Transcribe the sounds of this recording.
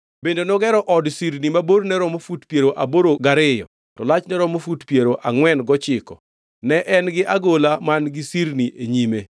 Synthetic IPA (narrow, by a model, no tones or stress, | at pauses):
bendenɔɡɛɾɔʔɔdsiɾnimaboɾnɛɾɔmofutpjeɾoʔaboɾoɡaɾɪjɔ̰ | tɔlat͡ʃnɛɾɔmofutpjeɾoʔaŋwɛnɡɔt͡ʃɪkɔ̰ | nɛʔɛnɡɪʔaɡolamanɡɪsiɾniʔeɲime